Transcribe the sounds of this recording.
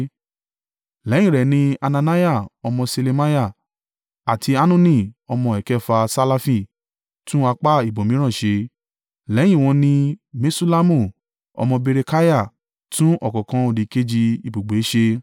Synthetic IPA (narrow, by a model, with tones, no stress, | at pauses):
lɛ˨˦j̃ĩ˦˨ɾɛ˨nĩ˧a˧nã˧na˦ja˦˨ɔ˧mɔ̃˧se˧le˧ma˦ja˦˨ | a˨tʰi˧a˦nũ˦nĩ˦˨ɔ˧mɔ̃˧ɛ˨kɛ˦fa˧sa˧la˧fĩ˦˨ | tũ˦a˧k͡pa˦i˨bo˨mĩ˨˦ɾ̃ã˦˨ʃe˧ | lɛ˨˦j̃ĩ˦˨w̃ɔ̃˧nĩ˧me˦su˦la˦mũ˦˨ | ɔ̰˧mɔ̃˧be˧ɾe˧ka˦ja˦˨ | tũ˦ʔɔ˨kɔ˨kã˧o˨di˨ke˦d͡ʒi˧i˨bo˨ɡ͡be˨˦ʃe˧